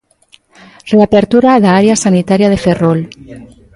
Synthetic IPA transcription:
reapeɾt̪uɾaːðaaɾeasanit̪aɾjaðeferol

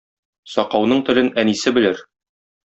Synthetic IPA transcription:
sɒqɑwnɤɴt̪ɵ̆lɘnænisɘbɘ̆lɘɾ

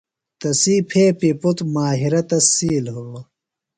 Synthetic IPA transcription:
t̪ɐsiːpʰeːpiput̪maːɦiɾɐt̪ɐsiːlɦulːo

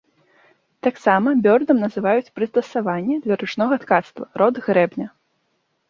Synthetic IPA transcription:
t̪aksamɐbʲɔrd̪ɐmnɐzɨvajut͡sʲpɾɨst̪ɐsavanʲːɛd̪lʲɐɾɨt͡ʂnɔɣɐt̪kat̪st̪vɐ̰ɾɔd̪ɣɾɛbnʲɐ

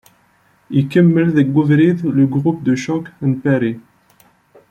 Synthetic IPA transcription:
ikəmːəlðəɡːuvɾiðləɡʁup̚d̪əʃɔkənpæɾi

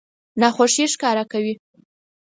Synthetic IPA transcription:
nɑxoʂiʃkɑɾakawi

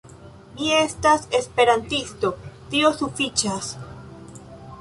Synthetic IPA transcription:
mie̞stase̞spe̞ɾantisto̞tio̞sufit͡ʃas

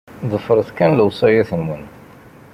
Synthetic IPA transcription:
ðˤəfːəɾˤəθkænləwsˤæjæθənwən

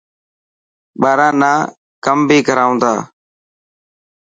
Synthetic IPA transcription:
ɓaːɾaːnaː | kəmbʱiːɡʱəɾaːũnd̪a̰ː

